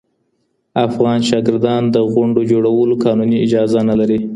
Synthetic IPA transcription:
afɣɑnʃɑɡɪɾd̪ɑnd̪əɣʊɳɖod͡ʒoɽawəlokɑnuniɪd͡ʒɑzanalaɾi

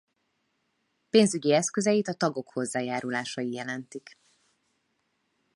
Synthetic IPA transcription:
peːnzyɟiɛskø̞zɛjit̪ɒt̪ɒɡo̞kho̞zːaːjaːɾulaːʃɒjijɛlɛnt̪ik

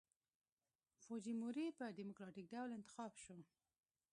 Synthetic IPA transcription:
fod͡ʒimuɾipəɖimʊkɾɑʈik̚ɖawlɪnt̪ɪ̥xɑbʃo

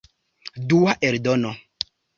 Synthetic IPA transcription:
duaʔeɾdono

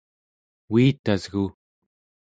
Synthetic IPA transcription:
wiːt̪azɣu

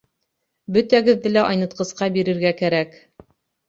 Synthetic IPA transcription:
bɵt̪æɡɘ̆ðːɘlæʔɑjnɤ̆t̪̚qɤ̆sqɑbiɾɘ̆ɾɡækæɾæk

